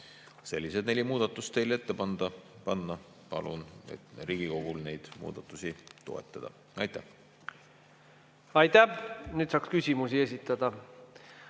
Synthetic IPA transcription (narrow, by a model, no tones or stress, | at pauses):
se̞lʲːise̞d̪̥ne̞lʲimuːd̪̥ɑt̪ːˑust̪ːe̞jle̞t̪ːe̞pɑnd̪̥ɑpɑnːɑ | pɑ̰lṵnḛt̪riːɡ̥iko̞ɡ̥ulne̞jd̪̥mṵːd̪̥ɑt̪ːˑusit̪o̞̰ḛt̪ːˑɑd̪̥ɑ̰ | ɑ̰jt̪ːˑæh | ɑjt̪ænyːd̪sɑːkskysʲimusie̞s̬it̪ːˑɑd̪̥ɑ